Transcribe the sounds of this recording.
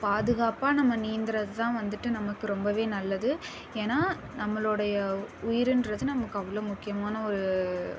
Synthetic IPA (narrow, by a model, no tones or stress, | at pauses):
paːðɯɣaːpaːnɐmːɐniːnd̪ɪɾɐðɯt̪ãːʋɐnd̪ɯʈːɯnɐmɐkːɯɾɔmbɐʋeːnɐlːɐðɯ | eːnaː | nɐmːɐɭɔɽɐjɐʊjɪɾɪnɾɐðɯnɐmɐkːɯɐʋːɐɭoːmʊkːɪjɐmaːnɐɔɾɯ